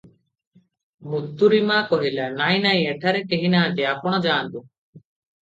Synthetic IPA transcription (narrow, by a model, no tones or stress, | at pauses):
mut̪ːuɾimakɔɦilanaj̃naj̃ɛʈʰaɾɛkeɦinaːt̪ɛapʰɔɽ̃ɔd͡ʒaːnt̪u